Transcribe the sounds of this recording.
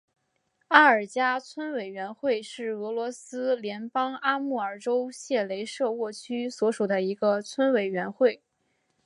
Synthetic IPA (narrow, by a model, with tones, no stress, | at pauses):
a˥ə˞˨˩t͡ɕja˥t͡sʰwə˥nwe˨˩ɪɥɛ˧˥nxwe˥˧ɪʂɻ̩˥˩ɤ˧˥lwɔ˧˥sɹ̩˥ljɛ˧˥npɑ˥ŋa˥mu˥˩ə˞˨˩ʈ͡ʂo˥ʊɕjɛ˥˩le˧˥ɪʂɤ˥˧wɔ˥˩t͡ɕʰy˥swɔ˧˥ʂu˨˩d̪ə˦i˧˥ɡə˧t͡sʰwə˥nwe˨˩ɪɥɛ˧˥nxwe˥˩ɪ